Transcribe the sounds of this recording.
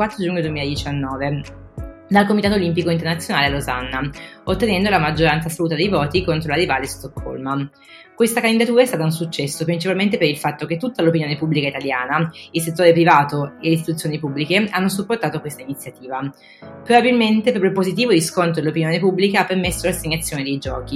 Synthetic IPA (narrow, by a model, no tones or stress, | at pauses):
wat̪ːɾod͡ʒuɲːod̪uwemiːlad̪it͡ʃanːɔːve | d̪alkomit̪at̪olimpikoint̪ernat̪sːjonaːlealoza̰nːaot̪ːenɛnd̪olamad͡ʒːoɾant̪sasaluːt̪ad̪ejvɔːt̪ikont̪ɾoladivaːleist̪okʰːo̰lma | kwest̪akand̪id̪at̪uːɾaest̪aːt̪aunsut͡ʃːɛsːopɾint͡ʃipalment̪̬epeɾilfat̪ːoket̪ːut̪ːalopinjoːnepubːlikait̪aljaːnailset̪ːoːɾepɾivaːt̪oeleist̪it̪ut̪sːjoːnipubːlikeanːosupːort̪aːt̪okwest̪ainit̪sjat̪iːva | pɾobabilment̪epɾɔpɾopozit̪̬iːvod̪iskont̪ɾod̪elopinjoːnepubːlikaapːermesːolaseɲːat̪sːjoːned̪ejd͡ʒɔ̰ːk̟i